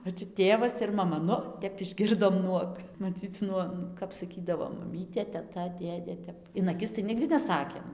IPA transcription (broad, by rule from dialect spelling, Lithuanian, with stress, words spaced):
oː t͡ʃʲɛ ˈtʲeːʋɐs ɪr mɐˈmɐ ˈnʊ ˈtʲɛp ɪʒʲˈɡʲɪrdoːm ˈnuɔk mɐˈt͡sʲiːt͡s ˈnuɔ kɐp sɐˈkʲiːdɐʋoː mɐˈmʲiːtʲeː tʲɛˈtɐ ˈdʲeːdʲeː ˈtʲɛp ɪn ɐˈkʲɪs tɐɪ ˈnʲɪɡdʲɪ nʲɛˈsɑːkʲeːm